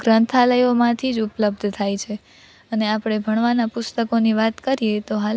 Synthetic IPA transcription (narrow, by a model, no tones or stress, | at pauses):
ɡɾənt̪ʰaləjomãt̪ʰid͡ʒupləb̚d̪ʱt̪ʰajt͡ʃʰe | əneapɽ̃ebʱəɳ̃ʋanapʊst̪əkoniʋat̪kəɾijet̪oɦa